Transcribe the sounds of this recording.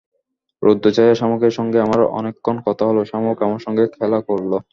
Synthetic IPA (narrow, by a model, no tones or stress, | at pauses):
ɾʔod̪ːot͡ɕajeɾʃamokeɾʃɔŋɡeamaɾʔɔ̰nekʰːonkɔt̪ʰaɦoloʃamokamaɾʃɔŋɡekʰɛlakoɾlo